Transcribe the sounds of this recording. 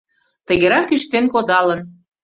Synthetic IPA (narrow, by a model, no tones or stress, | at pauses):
t̪əɣeɾɑkyʃt̪enkod̪ɑlən